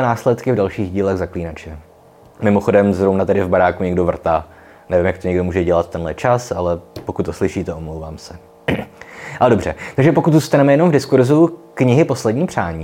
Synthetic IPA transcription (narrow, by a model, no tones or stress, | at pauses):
ɛnaːslɛt̪kɪvdalʃiːɣɟiːlɛɣzakliːnat͡ʃɛ | mɪmo̞xo̞dɛmzɾownat̪ɛdɪvbaɾaːkuɲɛɡdovr̩t̪aː | nɛvɪmjakt̪oɲɛɡdomuːʒɛɟɛlat̪̚t̪ːɛnlɛt͡ʃasalɛpo̞kut̪ːoslɪʃiːt̪ɛʔomlowvaːmsɛ | ʔalɛdo̞br̝̥ɛt̪aɡʒɛpo̞kut̪zuːst̪anɛmɛjɛno̞mvdɪskuɾzukɲɪɦɪpo̞slɛdɲiːpr̥aːɲiː